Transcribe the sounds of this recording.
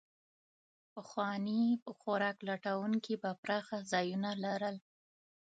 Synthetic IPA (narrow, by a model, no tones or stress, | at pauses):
pəxwɑnipəxoɾɑklaʈawuŋkibapɾɑxazɑjunalaɾəl